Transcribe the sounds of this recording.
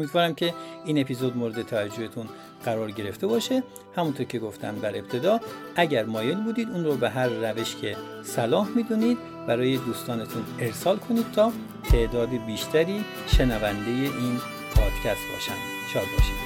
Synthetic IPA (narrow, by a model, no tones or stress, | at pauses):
omid̪vɒːɾæmcʲʰe̞iːne̞pʰiːzod̪moɾed̪et̪ʰævæd͡ʒːohet̪ʰun | ɢ̥æɾɒːɾɟe̞ɾe̞ft̪e̞bɒːʃe | hæmunt̪ʰoɾcʰe̞ɡo̞ft̪ʰæ̰md̪æɾe̞b̚t̪ʰe̞d̪ɒːʔæɟæɾmɒːjelbuːd̪iːd̪uːnɾobeɦæɾːæve̞ʃcʰe̞ | sælɒːhmiːd̪uniːd̪ | bæɾɒːje̞d̪uːst̪ɒːnet̪ʰune̞ɾsɒːlkʰo̞niːd̪̥̚t̪ʰɒː | t̪ʰe̞ʔd̪ɒːd̪ibiːʃt̪ʰæɾiː | ʃe̞nævænd̪e̞jeʔiːn | pʰɒːd̪̥cʰʲæst̪̚bɒ̰ːʃæ̰m | ʃɒːd̪̚bɒ̰ʃi